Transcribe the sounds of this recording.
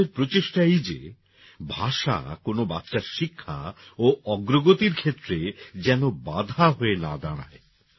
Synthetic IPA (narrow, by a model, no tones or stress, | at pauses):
eɾpɾot͡ɕeʃʈaejd͡ʑḛ | bʱaʃa̰konoba̰t̪ːʃaɾʃikʰːa̰oʔɔɡɾoɡot̪iɾkʰet̪ːɾed͡ʑɛnobad̪ʱaɦoena̰d̪aɽ̃a̰e